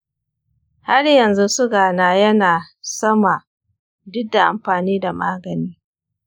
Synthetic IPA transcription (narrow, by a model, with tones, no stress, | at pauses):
ha˦rjɐ˨nzu˦sʊ˦ɡaː˨naː˨jɐ˦naː˨sɐ˦ma˨ | dʊ˦da˨ʔa̰˨mɸaː˨niː˦da˨maː˦ɡɐ˨niː˦